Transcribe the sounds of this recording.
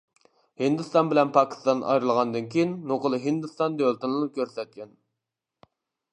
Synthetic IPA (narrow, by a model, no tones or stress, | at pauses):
hɨnd̪ɨst̪ɑnbɪlɛnpʰɑkʲʰi̥st̪ɑnʔɑ̰jɾɨlˠʁɑnd̪ɨnkʲʰijinːoqəlˠɨɦind̪ɨst̪ɑnd̪ølt̪ɨnlˠɨnɨp̚kʲʰøɾsɛt̪̚kʲɛn